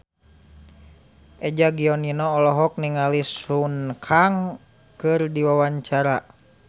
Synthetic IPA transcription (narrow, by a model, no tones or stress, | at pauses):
ʔɛd͡ʒaɡiɔninɔːlɔɦɔk̚niŋalisunkʰaŋ | kɨrdiwawaɲt͡ʃaɾa